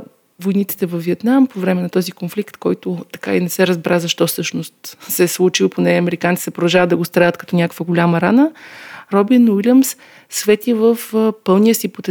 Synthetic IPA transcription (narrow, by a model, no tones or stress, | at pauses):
vojnit̪si̥t̪ɛvɐfvːiɛt̪nampovɾɛmɛnɐt̪ɔzikonflikt̪kɔjt̪ʊt̪ɐ̥kainɛsɛɾəzbɾʔazɐʃt̪ɔfsɤʃnost̪sɛslˠut͡ʃilˠponɛɐmɛɾikant̪i̥t̪ɛpɾod̪ɐʒavəd̪ɐɡost̪ɾaət̪kɐt̪ɔnʲakəkvəɡolʲaməɾanəɾɔbinwilʲəms | svɛt̪ivəfpɤlˠnijəsipot̪ɛ